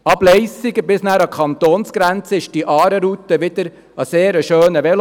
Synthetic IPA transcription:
ɑblɛɪsɪɡəbɪsnæːɾɑkʰɑnt̪oːnsɡ̥ɾɛnt͡səɪʃd̥iʔɑːɾəɾut̪əʋɪd̥̪əɾ | ɑseːɾəʃøːnəʋɛl

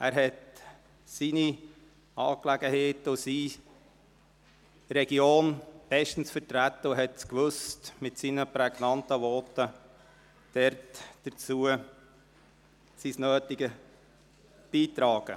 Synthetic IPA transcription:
æːɾɦɛt | sini | ɑːklæɡəheːtʊsiː | ɾɛɡjoːnb̥ɛʃtən̩sfəɾtɾætːəʊɦɛtskʋɵstmɪtsinəpɾɛɡnɑntəʋɔːtə | d̥ɛɾtd̥ət͡suə | sisnøːtiɡə | b̥iːt̪ɾɑːɡ̥ə

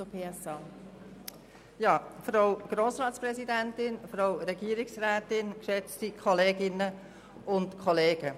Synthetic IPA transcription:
ʊpʰeːɛsɑ | jɑːfɾaʊɡ̥ɾoːsɾɑːtsprɛzidɛntɪnfɾaʊɾɛɡiəɾɪksræːtɪnkʃɛt͡stikʰɔleːɡɪnə | ʊntkʰɔleːɡ̥ə

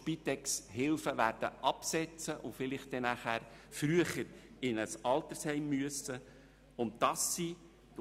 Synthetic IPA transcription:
pit̪ɛksɦɪlfəʋæːɾd̥əʔɑpsɛt͡səʔʊfɪlɪχt̚d̥ɛnæχæːɾfɾyəχəɾɪnəsɑlt̪əɾshɛɪmːyəsə | ʊntd̥ɑsːi

